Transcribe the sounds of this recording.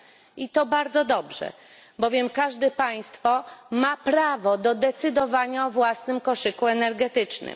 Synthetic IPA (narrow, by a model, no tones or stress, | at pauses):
it̪ɔbaɾd̪zɔd̪ɔbʐɛ̰ | bɔvʲjɛmkaʐd̪ɛpaj̃st̪fɔmapɾavɔd̪ɔd̪ɛt̪sɘd̪ɔvaɲaɔvwasnɘmkɔʂɘkuɛnɛɾɡɛt̪ɘt͡ʂnɘ̰m